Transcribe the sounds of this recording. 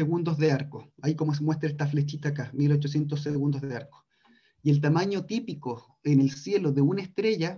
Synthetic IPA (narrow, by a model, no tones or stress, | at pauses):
eɣund̪ozðeaɾkoaikomo̞s̬emwest̪ɾaest̪aflet͡ʃit̪akamilot͡ʃos̬je̞nt̪̬osːeɣund̪ozðeaɾko̥ | ielt̪amaɲot̪ipiko | enelsje̞loðeunaest̪ɾeʝa